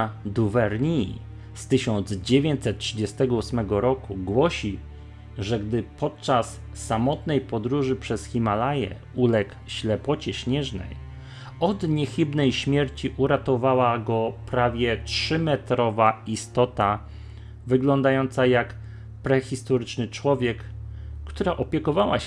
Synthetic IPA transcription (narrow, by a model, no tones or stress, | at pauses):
d̪uvɛɾɲi | st̪ɘɕɔnd̪zd͡ʑevʲjeɲt͡ɕ̪sɛt̪̚tʂɘd͡ʑɛst̪ɛɡɔusmɛɡɔɾɔkuɡwɔɕi | ʐɛɡd̪ɘpʰɔt̪̚t͡ʂasː | amɔt̪nɛjpɔd̪ɾuʐɘpʂɛsxʲimalajɛ̰ | ulɛk | ɕlɛpɔt͡ɕɛɕɲɛʐnɛ̰j | ɔd̪ɲɛxʲɘbnɛjɕmʲjɛɾt͡ɕiʔuɾat̪ɔvawaɡɔpɾavʲjɛtʂɘmɛt̪ɾɔvaist̪ɔt̪a | vɘɡlɔnd̪ajɔnt̪sajak | pɾɛxʲist̪ɔɾɘt͡ʂnɘt͡ʂwɔvʲjɛkːt̪uɾaʔɔpʲjɛkɔvawa